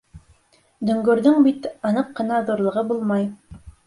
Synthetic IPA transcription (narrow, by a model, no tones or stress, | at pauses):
d̪ɵ̆ŋɡɵ̆ɾðɵŋbit̪ɑnɤqːɤ̆nɑðuɾlˠɤ̆ʁɤbulˠmɑj